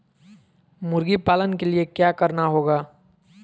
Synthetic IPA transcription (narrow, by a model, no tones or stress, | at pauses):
mʊɾɡipaːlənkeliekjaːkɐɾnaɦoːɡaː